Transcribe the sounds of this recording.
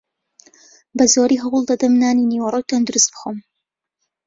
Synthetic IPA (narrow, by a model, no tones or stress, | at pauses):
bɐzoːɾiɦɐwʊlˠd̪ɐd̪ɐmnaːniniːwɐrˤəwt̪ʰɐnd̪ʊɾust̪̚b̥ɨxom